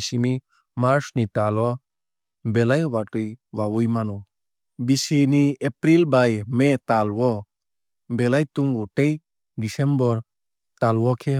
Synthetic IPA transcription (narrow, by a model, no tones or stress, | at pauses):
simi | maɾsnit̪alɔ | bɛlajwaʈujwawujmanu | bisiniepɾilbajmet̪alwɔ | bɛlajt̪uŋɡuʈej | ɖisembɔɾ | t̪alwɔkʰe